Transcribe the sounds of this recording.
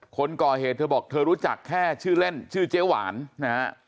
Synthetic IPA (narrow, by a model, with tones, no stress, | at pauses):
kʰo˧nkɔː˨˩heː˨˩t̪ʰːɤː˧bɔː˨˩k̚t̪ʰɤː˧ɾuː˦˥t͡ɕa˨˩kʰːɛː˥˩t͡ɕʰɯː˥˩le˥˩nt͡ɕʰɯː˥˩t͡ɕeː˦˥˩wa̰ː˩˦nna˦˥ha˦˥